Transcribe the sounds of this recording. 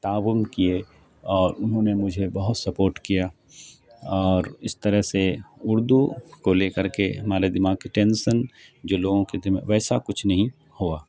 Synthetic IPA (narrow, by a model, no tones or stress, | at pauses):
t̪aːʋʊmkie | ɔːɾʊnɦõnemʊd͡ʒʱebɐɦʊt̪sɐpoːɾʈkija | ɔːɾɪst̪əɾəɦseʊɾd̪ukoleːkɐɾkeɦɐmaːɾed̪ɪmaːɡ̚kiʈẽːnʃənd͡ʒoːloːɡõked̪ɪm̰ʋɛːsakʊt͡ʃʰnɐɦĩ | huaː